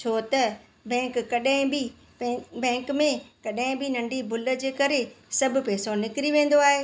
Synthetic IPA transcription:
t͡ɕʰoːt̪ɐ | bɛ̃ːkːɐɗaɦɪ̃bĩ | bɛ̃ːŋkmẽkɐɗɦɪ̃bɪnɐ̃ɳɖibʱʊlə̆d͡ʑeːkɐɾesɐbʱʊ̆pɛːsonɪkɾiʋẽːn̆d̪oaːɦeː

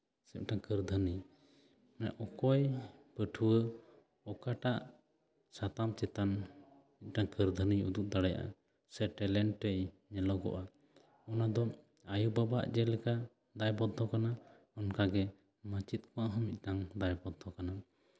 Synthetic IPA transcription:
sɛ̰ʔ̚ˀʈaŋkəɾd̪ʱənij | nɛʔɔkɔjpəʈʰuwə | ɔkaʈaʔ | sat̪amt͡ʃɛt̪an | mit̪̚ˀʈaŋkəɾd̪ʱənijṵd̪uk̚d̪aɽɛja̰ʔa̰ | sɛʈɛlɛɳʈːɛj | ɲɛlɔɡɔ̰ʔa | ɔnad̪ɔ | ajubaba̰ʔd͡ʒɛlɛka | d̪ajbɔd̪ʱʰɔkana | ɔnkaɡɛ | mət͡ʃit̪̚kɔwaʔɦɔmic̪̚ˀʈaŋd̪ajbɔd̪ʱʰɔkana

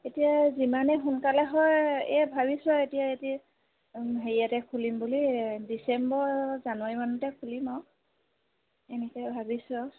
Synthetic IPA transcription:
etijazimanɛxunkalɛɦɔjɛbʱabisɔetijaeti | ɦeɹijatɛkʰulimbulidisɛmbɔɹzanʊwaɹimanutɛkʰulimɔ | enikɛbʱabisɔ

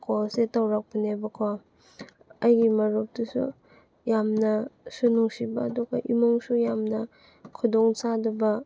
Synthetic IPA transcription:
kʰosetawɾak̚pinebakʰɔ | ajɡimɐɾup̚dusṵ | jamnɐsunuŋsibaːduɡɐʔimɔŋsujamnɐ | kʰudɔŋsadɐbɐ

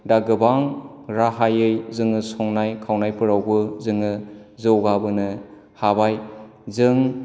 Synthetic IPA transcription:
daɡɯbaŋ | ɾaɦajɯjzɯŋɯsɔŋnajkʰawnajpʰɯɾawbɯzɯŋɯzɯwɡabɯnɯ | habaj | zɯŋ

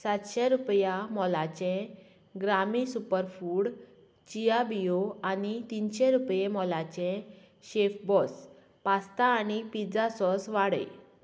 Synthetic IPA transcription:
sat̪ɕɛɾupjamɔlat͡ɕɛ̃ | ɡɾamisupəɾfuːɽ | t͡ɕijabijoanit̪inɕẽɾupjemɔlat͡ɕẽ | ɕefbɔs | past̪aːnipid͡zasɔsʋaɽə̰

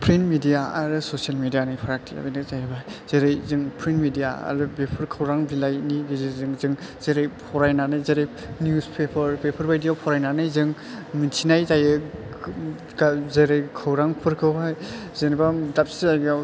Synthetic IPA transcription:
pʰɾinmidijaaɾɯsosijalmedijanɯjpʰɾak̚tʰia̰bijnɯk̚zajɯbajz̥eɾɯjzɯŋpʰɾinmidijaa̰ɾɯbepʰɯɾkʰɯwɾaŋbilajniɡizizɯŋzɯŋ | z̥eɾejpʰɔɾajnanɯjzeɾej | njuspʰepʰɯɾpepʰɯɾbajdijapʰɔɾajnanɯjzɯŋ | minsʰinajzajɯ | ɡazeɾɯjkʰɯwɾaŋpʰɯɾkʰɯwɦaj | zenibamdap̚sizajɡa

